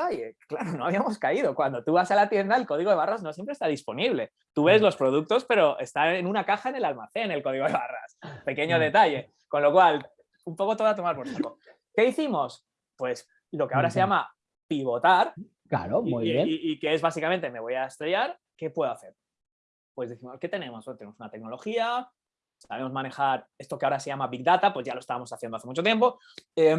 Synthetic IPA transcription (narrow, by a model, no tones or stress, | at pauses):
aʝeklaɾono̞aβ̞iamo̞skaiðo̞kwand̪o̞t̪uβasalat̪je̞nd̪ae̞lko̞ð̞iɣoe̞βarazno̞sjempɾest̪aðispo̞niβle̞ | t̪uβe̞zlo̞spɾo̞ð̞uk̚t̪o̞spe̞ɾo̞ʔe̞st̪anenũnakaxae̞ne̞lalmaθe̞ne̞lko̞ð̞iɣo̞ðe̞βara̰spe̞ke̞ɲo̞ðe̞t̪aʝe̞ | ko̞nlo̞kwal | umpo̞ko̞t̪o̞ðat̪o̞maɾpoɾfoko | ke̞iθimo̞s | pwe̞s | lo̞keao̞ɾase̞ʝama | piβo̞t̪aɾ | kla̰ɾomiueiike̞e̞zβasikament̪e̞me̞βo̞jaest̪ɾeʝaɾ | ke̞pwe̞ðoaθe̞ɾ | pwe̞zðiθimo̞ske̞t̪e̞nẽ̞mo̞sot̪ene̞mo̞sunat̪e̞k̚no̞lo̞xia | saβemo̞zmãne̞xaɾe̞st̪o̞keaoɾase̞ʝamaβik̚d̪at̪apwo̞zʝalo̞st̪aβamo̞saθjenoaθe̞mut͡ʃot̪je̞mpo̞ | e